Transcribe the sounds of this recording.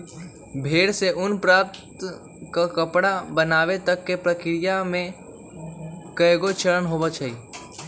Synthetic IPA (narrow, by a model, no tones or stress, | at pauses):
bʱeːɽseʔʊnpɾap̚t̪ | kakəpɽabənaːʋet̪əkːepɾəkɪɾɪjamẽ | kəeɡot͡ʃəɾənɦobət͡ʃʰəi